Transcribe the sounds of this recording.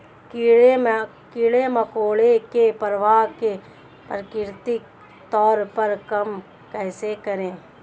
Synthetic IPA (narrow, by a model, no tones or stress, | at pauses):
kie | kɪɭemɐkoːɭekepəɾʋaːɦke | pɾəkɪɾt̪ik | t̪ɔːɾpɐɾkɐm | kɛːsekɐɾẽː